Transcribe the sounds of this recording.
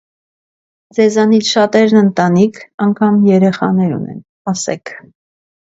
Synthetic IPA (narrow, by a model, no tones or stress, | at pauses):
d͡zɛzɑnit͡sʰʃɑt̪ɛɾnənt̪ɑnikʰɑŋkʰɑmjɛɾɛχɑ̰nɛɾṵnɛ̰n | ɑsɛ̰kʰ